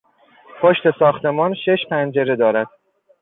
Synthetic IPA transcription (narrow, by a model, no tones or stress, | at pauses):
pʰoʃt̪e̞sɒːxt̪ʰe̞mɒːnʃe̞ʃpʰænd͡ʒe̞ɾe̞d̪ɒːɾæd̪̥̚